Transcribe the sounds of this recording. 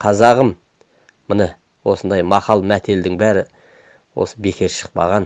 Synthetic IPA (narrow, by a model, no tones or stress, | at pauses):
qʰɑzɑʁəmː | ʊnə | wo̞sənd̪ɑjmɑqɑlˠmæt̪ʰe̞ld̪ɪŋbæɾɪ | wo̞̰səbe̞kʲʰe̞ɾʃə̥q̚pɑ̰ʁɑn